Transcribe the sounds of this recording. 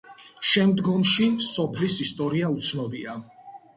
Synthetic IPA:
ʃɛmd̪ɡɔmʃisɔpʰlisist̪ʼɔɾiaut̪sʰnɔbia

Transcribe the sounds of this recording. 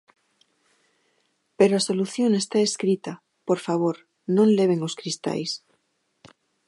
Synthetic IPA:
peɾoasoluθjoŋest̪aeskɾit̪ɐ | poɾfaβ̞oɾ | nõŋleβ̞eŋoskɾist̪a̰js

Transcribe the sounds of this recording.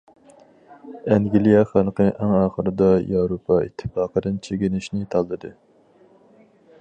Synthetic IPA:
ɛŋɡʲilˠijɑχælˠqəʔæŋɑːχəɾɨd̪ɑjɑwɾopʰɑḭt̪ʰːɨ̥fɑːqəd̪ɨnt͡ʃʰeɡʲinɪʃnɪt̪ʰɑlˠːɨd̪ɨ

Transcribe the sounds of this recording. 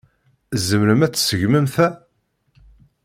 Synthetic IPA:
zəmɾəmæt͡sːsəʝməmθæ

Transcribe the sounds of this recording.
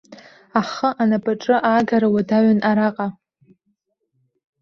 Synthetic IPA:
aχəʔanapʼaʈ͡ʂʼɨʔaːɡaɾawadaɥanʔaɾaqʼa

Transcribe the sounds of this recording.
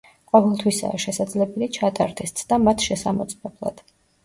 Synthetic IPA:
qʼɔvɛlˠt̪ʰwisa̰ːʃɛsad̪zlɛbɛlit͡ʃʰat̪ʼaɾd̪ʰɛst̪sʰd̪amat̪ʰʃɛsamɔt̪sʼmɛblˠa̰d̪̥

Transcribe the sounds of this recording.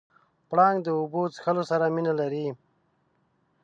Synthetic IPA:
pɽɑːŋɡd̪əubot͡sxəlosaɾaminalaɾi

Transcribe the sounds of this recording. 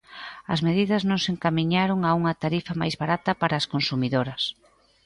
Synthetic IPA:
ɐzmeðiðɐznõŋseŋkamiɲaɾoŋauŋɐt̪aɾifɐma̰jzβaɾat̪ɐpaɾɐːskonsumiðoɾɐs

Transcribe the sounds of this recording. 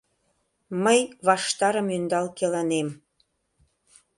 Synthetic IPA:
məjβɑʃt̪ɑɾə̆mynd̪ɑlkelɑnem

